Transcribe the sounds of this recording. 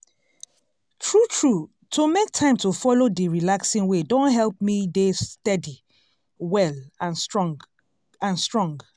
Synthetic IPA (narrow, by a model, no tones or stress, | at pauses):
tʰɹutʰɹu | tʰomek̚tʰãɪ̃mtofɔlodiɹilaksĩŋwedõnɦɛlˠp̚midestɛdi | wɛlãnsɹɔ | ãnstɹɔ̃ŋɡ